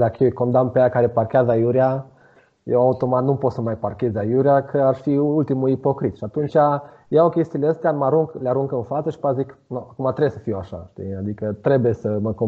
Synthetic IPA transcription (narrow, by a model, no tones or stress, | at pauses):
d̪akəjeko̞nd̪ampejakaɾe̞parkʲeazəajuɾia | jewaut̪o̞mat̪nupo̞t̪səmajparkʲe̞zʲajuɾiakʰəarfiult̪imuipo̞kɾit̪ʃiat̪unt͡ʃʲa | jawokʲest̪iːleəst̪eamaɾuŋkleaɾuŋkɨnfat̪səʃi̥pat̪ziknoakumat̪ɾebsəfiwaʃa̰ʃt̪ḭad̪ikət̪ɾe̞buje̞səməko